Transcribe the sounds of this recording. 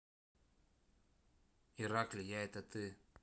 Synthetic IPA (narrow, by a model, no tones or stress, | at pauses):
iɾaklʲɪjaɛt̪ət̪ɨ